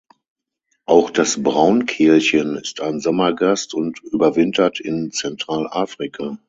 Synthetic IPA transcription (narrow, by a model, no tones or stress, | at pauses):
ʔaʊxd̥asbʁaʊnkʰɪɐçənɪstaɪnzɔmɐɡastʊntʔyːbɐvɪntʰɐtʰɪnt͡sɛntʁ̥aːlʔaːfʁ̥ikʰa